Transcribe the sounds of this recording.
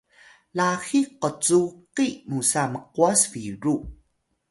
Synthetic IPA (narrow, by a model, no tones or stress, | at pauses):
laxiqət͡suqimusaməqwasviɹu